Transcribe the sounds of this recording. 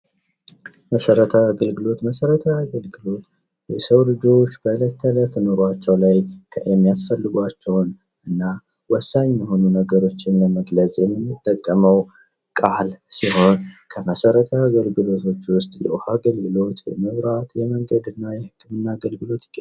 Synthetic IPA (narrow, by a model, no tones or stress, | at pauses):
məsəɾət̪ʰəaɡəlɡɨlo̞t̪məsəɾət̪ʰəaɡəlɡɨlo̞t̪ | jɛsəwlɨd͡ʒo̞t͡ʃːbələt̪ʰːələt̪ːɨnoɾat͡ʃːɛwlajkʰəjɛmːijasfəlːɨɡʷat͡ʃːɛwn | ʔɨnːa | wɔsːaɲmɛho̞nunəɡəɾo̞t͡ʃːɪnləməɡləsʼjɛmːɨmːɨt̪ʼːəkʼːəməw | kʼalsiho̞nkʰəməsəɾət̪ʰəaɡəlɡɨlo̞t̪ʰo̞t͡ʃːwʊst̪ʼjɛ̰ʔohaɡəlɡɨlo̞t̪jɛ̰mɨβɾat̪jɛməŋɡəd̪ɨnːajɛhɨkːɨmɨnːaːɡəlɡɨlo̞t̪k